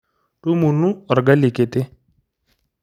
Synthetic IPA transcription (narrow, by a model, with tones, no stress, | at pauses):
ʈu˦mu˨nũ˦ɔ˨ɾɡa˦li˨ke˨t̪e˦